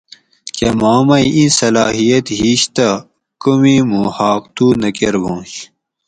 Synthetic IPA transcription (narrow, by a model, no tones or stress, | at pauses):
kemaːmɐjʔĩsɐlaːɦijɐt̪ɦiɕt̪ɐ | kumimuhaːq̚t̪uːnɐkeɾbõːɕ